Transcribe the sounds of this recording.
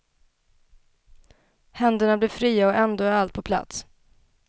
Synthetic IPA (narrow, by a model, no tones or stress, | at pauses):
hɛnd̪əɳablɪɾfɾiːaɔʔɛnd̪oːæɾalt̪̚pʰɔpʰla̰t̪s